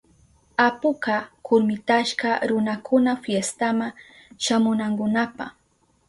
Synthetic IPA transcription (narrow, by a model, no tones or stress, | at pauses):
apʊkakʰʊɾmɪt̪aʃkaɾʊnakʰʊnafjest̪amaŋ | ʃamʊnaŋkʊnapa̰χ